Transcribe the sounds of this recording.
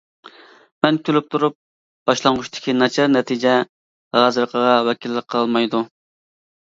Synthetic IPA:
mɛnkʲʰylyp̚t̪ʰuɾup̚ | b̥ɑʃlˠɑŋʁʊʃt̪ʰɪ̥kʲinɑt͡ʃʰɑɾnɛt̪ʰid͡ʒɛ | ʁɑzɨɾqʰəʁɑwɛkʲilːɪk̚qʰəlˠmɑjd̪u

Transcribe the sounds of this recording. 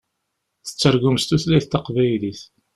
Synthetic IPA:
θə̥t͡sːəɾɡumst̪uθlæjθt̪ːɑqvæjliθ

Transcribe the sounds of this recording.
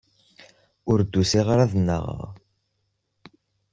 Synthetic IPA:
ʊɾd̪ːusiʁɾaðənːə̰ʁ̰ʁ

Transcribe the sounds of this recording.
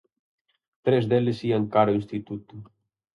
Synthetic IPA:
t̪ɾezðelesiaŋkaɾoinst̪it̪ut̪u

